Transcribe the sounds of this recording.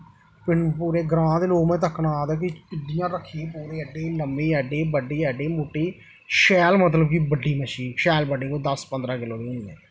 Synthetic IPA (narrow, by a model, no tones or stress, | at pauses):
pɪɳpuːɾeːɡɾãːd̪eːloːkmɛ̃ːt̪̬əkʰːnaːaːd̪aːk̬ɪɪd̪ɪjãːɾəkʰːipuːɾeːəɖeːləmbeːɛɖeːbəɖeːɛɖeːmoːʈːeː | ʃɛːlmət̪̬ləbkiːbəɖːiːməʃiːnʃɛːlbəɖeːkoːd̪əspənd̪ɾãːkɪloːɾeːniːɛ̰̃ː